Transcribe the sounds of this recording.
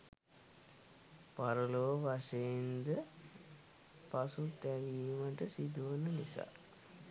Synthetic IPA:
paɾuloːʋaʂejind̪ə | pasut̪æʋijməʈəsid̪uʋənənisa̰ː

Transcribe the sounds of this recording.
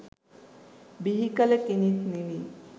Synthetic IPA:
biɦikələkinit̪nili

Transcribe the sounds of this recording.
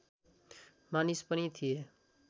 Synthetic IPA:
manispʌnit̪ʰije

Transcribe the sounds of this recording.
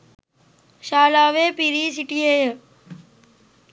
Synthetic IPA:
ʃaːlaːʋeːpiɾiːs̬iʈiejə

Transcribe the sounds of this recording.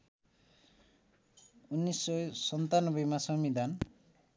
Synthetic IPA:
unːisːɔsʌnt̪anɔbʌjmasʌmid̪an

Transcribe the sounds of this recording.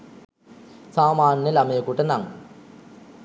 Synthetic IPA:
saːmaːnːjəlamejəkuʈənaŋ

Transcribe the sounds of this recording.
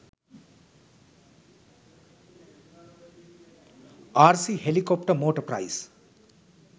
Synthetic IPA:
aːɾsiɦelikop̚ʈɐmoːʈɐpɾa̰js

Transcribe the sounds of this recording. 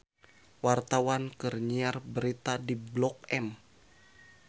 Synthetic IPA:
wart̪awankərɲiarbəɾit̪adiblɔk̚ɛm

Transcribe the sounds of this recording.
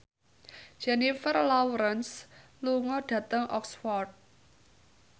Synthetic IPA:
d͡ʒ̥ɛnifərlawɾəns | luŋɔɖ̥ä̤t̪əŋʔɔ̰kswɔrt̪̚

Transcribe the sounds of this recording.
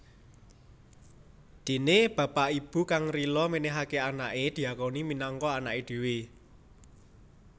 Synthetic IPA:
d̪̥e̤neb̥ä̤paʔib̥ṳkaŋrilɔmenɛɦakeanaʔed̪̥i̤akoniminɔŋkɔanaʔed̪̥e̤we

